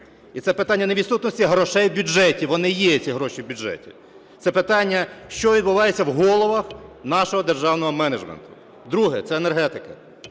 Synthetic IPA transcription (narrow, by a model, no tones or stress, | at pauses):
it̪ɛpɪt̪ɑnʲːɐneʋʲid̪sut̪nɔsʲtʲiɦɾɔʃɛjwbʲud͡ʒɛtʲiʋɔnɪjɛt͡sʲiɦɾɔʃiwbʲʊʒɛ̰tʲḭ | t̪sɛpɪt̪ɑnʲːɐʃt͡ʃɔʋʲid̪̚bʊʋɑjet͡sʲːɐwɦɔlˠɔʋɐxnɑʃɔɦɔd̪erʒɑwnɔɦɔmɛned͡ʒmḛnt̪ʊ̥ | d̪ɾuɦɛt̪sɛenerɦɛt̪ɪkɐ